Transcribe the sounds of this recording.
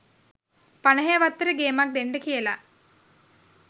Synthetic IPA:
pɐɳɐɦeʋɐt̪ːɐɾɨɡeːmak̚d̪enɖɨkijɐla̰

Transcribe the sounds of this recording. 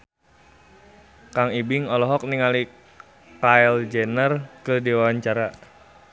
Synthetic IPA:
kaŋibɪŋɔlɔɦɔk̚niŋali | kaɛld͡ʒɛnərkədiwawaɲt͡ʃaɾa

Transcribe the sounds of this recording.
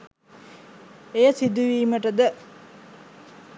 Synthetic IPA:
ejəsid̪uʋiːməʈəd̪ə

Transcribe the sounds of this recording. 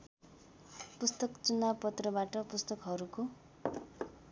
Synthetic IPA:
pust̪ʌkt͡sunapʌt̪rʌbaʈʌpust̪ʌkɦʌɾuko

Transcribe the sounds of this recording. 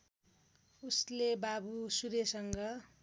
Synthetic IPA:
uslebabusuɾesʌŋɡʌ

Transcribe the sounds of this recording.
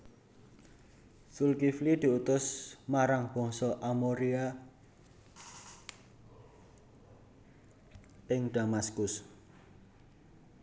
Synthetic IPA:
sulkiflid̪̥i̤ut̪ʊsmaɾaŋb̥ɔ̤ŋsɔʔamoɾia | ɪŋd̪̥a̤maskʊs

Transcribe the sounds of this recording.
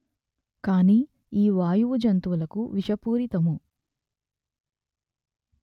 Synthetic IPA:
kaːniː | iːʋaːjuʋud͡ʒɐnt̪uʋulɐkuʋiʃɐpuːɾit̪ɐmu

